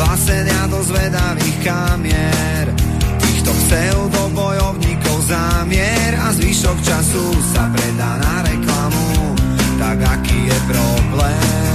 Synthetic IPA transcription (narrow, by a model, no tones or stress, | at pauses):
lasɛɲɪad̪ɔzʋɛd̪aʋiːxkamɪɛ | ɾt̪iːxt̪ɔfsɛld̪ɔbɔjɔʊɲikɔʊzamɪɛ | ɾazʋiʃɔkt͡ʃasusapɾɛd̪aːnaɾɛklamut̪aɡakiːjɛpɾɔblɛː | m